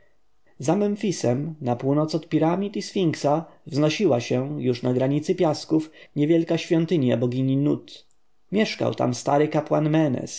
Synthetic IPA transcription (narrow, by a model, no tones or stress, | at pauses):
zamɛɱfʲisɛmnapuwnɔt̪sɔt̪pʲiɾamʲit̪isfʲiŋksavznɔɕiwaɕɛjuʂnaɡɾaɲit̪sɘpʲjaskufɲɛvʲjɛlkaɕfʲjɔnt̪ɘɲja̰bɔɡʲiɲinut̪ | mʲjɛʂka̰wt̪a̰mst̪aɾɘkapwanmɛnɛ̰s